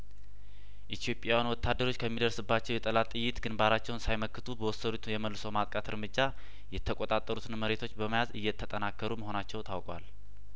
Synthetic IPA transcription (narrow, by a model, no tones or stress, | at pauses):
ʔit̪ʰijo̞pʼjawanwɔt̪ʰːad̪ːəɾo̞t͡ʃːkʰəmːid̪əɾsɨbːat͡ʃːɛwjɛt̪ʼəlat̪ʼɨjːɪt̪ɡɨnbaɾat͡ʃːɛwnsajməkːɨt̪ʰubəwɔsːədut̪jɛməlːɨsowmat̪ʼkʼat̪ʰɨɾmɨd͡ʒːa | jɛt̪ʰːəkʼot̪ʼat̪ʼəɾut̪ʰɨnməɾe̞t̪ʰo̞t͡ʃːbəməjazɨjːɛt̪ʰːət̪ʼənakːəɾuməɦo̞nat͡ʃːɛwt̪ʰawkʼwal